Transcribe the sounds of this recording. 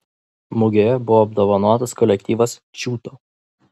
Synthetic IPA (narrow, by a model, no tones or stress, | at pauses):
mʊɡʲoːjɛbʊʋoːb̚d̪oːʋɐnuɔt̪ɐskɔlʲɛk̚t̪ʲiːʋɐsʃʲuːt̪oː